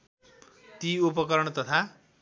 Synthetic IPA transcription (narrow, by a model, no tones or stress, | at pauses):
t̪iupʌkʌɾʌɳ̃t̪ʌt̪ʰa